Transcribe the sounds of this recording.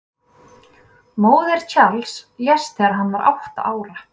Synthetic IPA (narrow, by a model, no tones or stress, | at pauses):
moːwðɛɾ̥cʰalsjɛst̪ɪaɾɦanːaɾʔa̰wht̪a̰ʔaːwɾa